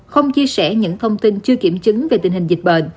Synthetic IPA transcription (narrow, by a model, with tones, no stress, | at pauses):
xə˧wŋ͡mt͡ɕi˧əsɛ̰˧˩ɲɨ̰˧˥ŋt̪ʰə˧wŋ͡mt̪i˧nt͡ɕɨ˧əki˧˩əmt͡ɕɨ˨˦ŋve˨˩t̪ï˨˩ŋhï˨˩ŋ̟zi˨˩k̟̚ɓə̰ː˧˨n